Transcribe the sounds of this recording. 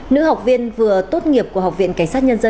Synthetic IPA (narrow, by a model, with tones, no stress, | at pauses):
nɨ̰˧˥ha˨˩wk͡p̚vi˧ənvɨ˨˩ət̪o˦˥t̚ŋi˨˩əp̚ku˧˩əhk͡p̚vḭ˧˨ənka˧˩ŋ̟saː˦˥t̚ɲə˧nzə˧